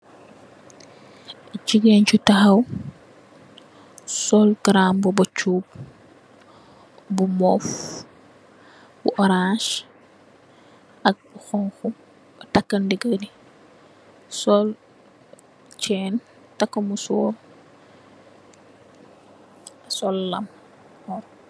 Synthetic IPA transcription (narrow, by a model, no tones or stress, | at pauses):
ciɡɛnt͡ʃutɐxɐw | sɔlɡɾambɔbɐt͡ʃuːb̚ | bumɔf | buʔɔɾãʃ | ʔɐk̚xɔŋxu | tɐkːɐndiɡədi | sɔl | t͡ʃɛːn | tɐkːɐmusɔːɾ | sɔlːɐm | ɔr